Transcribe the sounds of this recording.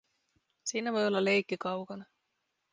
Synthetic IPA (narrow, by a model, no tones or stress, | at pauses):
siːnæʋo̞jo̞lːɑle̞jkːikɑwkɑnɑ